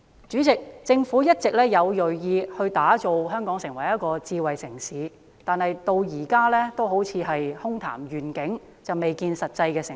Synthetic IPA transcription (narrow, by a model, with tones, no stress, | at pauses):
t͡ʃyː˨˥t͡sɪ˨k̚t͡sɪ˧ŋfuː˨˥jɐ˥t̚t͡sɪ˨k̚lɛː˥jɐ˨˧wjɵ˨ɥjiː˧hɵ˧ɥt̪aː˨˥t͡so˨wɦœː˥ŋkɔː˨˥ŋsɪ˨˩ŋwɐ˨˩jɐ˥t̚kɔː˧t͡siː˧wɐ˨jsɪ˨˩ŋsiː˨˥ | t̪aː˨nhɐ˨jt̪o˧wjiː˨˩kaː˥lɛː˥t̪o˥wɦo˨˥wt͡sʰiː˨˧ɦɐ˨jhʊ˥ŋt̪ʰa̰ː˨˩mjyː˨˩nkɪ˨˥ŋ | t͡sɐ˨wme˨jkiː˧nsɐ˨t̚t͡sɐ˧jkɛː˧sɪ˨˩